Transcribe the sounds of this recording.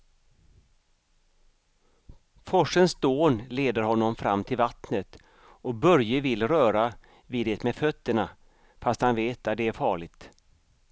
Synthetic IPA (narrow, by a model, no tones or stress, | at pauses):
fɔʂənsd̪oːnleːd̪əɾhɔnːɔmfɾa̰mːt̪ʰɪlvat̪nət̪ | ɔbœɾjəvɪlːɾœːɾa | viːd̪ɛːt̪mɛfœt̪ːəɳa | fast̪hanveːt̪at̪̚d̪ɛæɾfɑːɭɪt̪